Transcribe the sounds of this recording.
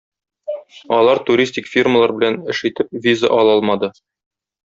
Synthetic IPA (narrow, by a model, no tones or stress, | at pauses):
ɒlˠɑɾt̪uɾʲisʲtʲikfʲirməlˠɑɾbɘ̆lænɘ̆ʃit̪ɘp̚vʲiza̰ʔɒlˠɒlˠmɑd̪ɤ